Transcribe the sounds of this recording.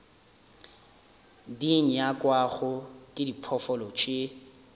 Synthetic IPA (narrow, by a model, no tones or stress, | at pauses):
diŋ̩jakʼwaɣʊkʼɪdipʰɔfɔlɔt͡ʃʰʼe